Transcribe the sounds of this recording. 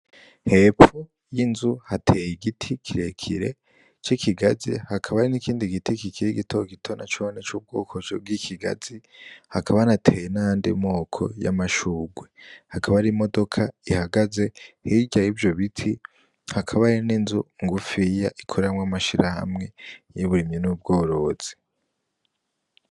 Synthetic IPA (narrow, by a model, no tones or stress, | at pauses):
he̞pfu | jinzuhatʰejiɡitʰikʰiɾe̞kʰḭɾe̞ | t͡ʃikiɡazihakʰaβaɾinikʰiːndiɡitikikʰiɾiɡitʰoɡitʰo̞na̰t͡ʃonet͡ʃuːb̚ɡo̰ːkʰot͡ʃo̰b̚ɡikʰiɡa̰z̥ihakʰaβanatʰeːjenaandimo̞ːkʰo̞̰ja̰maʃuːɡwehakʰaβaɾimo̞do̞kʰaihaɡaze̞hiɟajivjo̞βitʰi | hakʰaβaininzuŋɡufijaʔikʰo̞ɾeɾamŋwamaʃiɾaha̰mŋe̞jiβuɾimɲinuːb̚ɡo̞ːɾo̞z̥i̥